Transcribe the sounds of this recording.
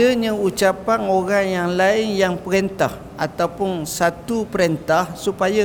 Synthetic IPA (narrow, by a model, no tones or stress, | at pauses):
əɲãut͡ʃapaŋoɾaŋjaŋlaɪŋjaŋpəɾɛnt̪a̰h | a̰t̪awpʊnsat̪upəɾent̪ahsupaja